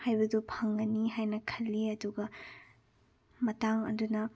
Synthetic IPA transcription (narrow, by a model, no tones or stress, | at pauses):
hajbɐdupʰɐŋːɐniɦajnɐkʰɐlːiɐduɡɐ | mɐtaŋɐ̰dunɐ